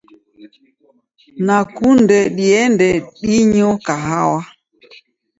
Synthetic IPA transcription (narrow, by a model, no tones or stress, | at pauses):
nakundɛɗiɛndɛɗiɲɔkaɦawa